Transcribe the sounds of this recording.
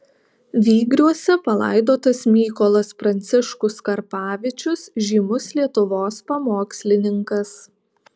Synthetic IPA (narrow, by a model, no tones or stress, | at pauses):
ʋʲiːɡɾʲuɔsʲɛpɐlˠɐ̰ɪd̪oːt̪ɐsmʲiːkɔlˠɐspɾɐnʲt̪sʲɪʃkʊskɐɾpɑːʋʲɪt͡ʃʲʊsʒʲiːmʊslʲiɛt̪ʊʋoːspɐmoːksʲlʲɪnʲɪŋkɐs